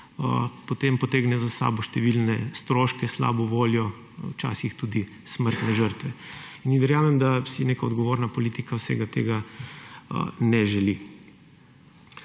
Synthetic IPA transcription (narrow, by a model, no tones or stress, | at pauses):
əpot̪empɔt̪eːɡnɛzasa̰ːbɔʃt̪ɛʋilnɛst̪ɾoːʃkɛsla̰ːbɔʋoːljɔ | wt͡ʃa̰ːsixt̪uːd̪i | sməɾt̪nɛʒəɾt̪ʋɛ | iniʋɛɾjaːmɛmd̪asineːkaɔd̪ɡoʋoːɾnapolit̪ikawsɛ̰ɡat̪ḛːɡa | ə̰nɛʒɛli